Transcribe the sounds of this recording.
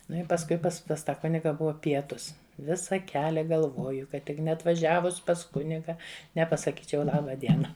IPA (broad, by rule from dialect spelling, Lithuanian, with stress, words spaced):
ˈnʊ ɪ pɐsˈkʊɪ ˈpɐs pɐs ˈtɐ ˈkʊnʲɪɡɐ ˈbʊʋɐ ˈpʲiɛtʊs ˈʋʲɪsɐ ˈkʲæːlʲɛ ɡɐlˠˈʋoːjʊ kɐt ˈtʲɪk nʲɛɐtʋɐˈʒʲæːʋʊs pɐs ˈkʊnʲɪɡɐ nʲɛpɐsɐˈkʲiːt͡ʃʲɛʊ ˈlˠɑːbɐ ˈdʲiɛnɐ